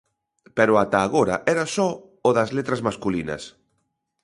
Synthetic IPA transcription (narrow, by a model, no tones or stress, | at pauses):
pɛɾʊat̪aːɣoɾa̰ʔɛɾasɔ | oðɐzlet̪ɾazmaskulinɐ̰s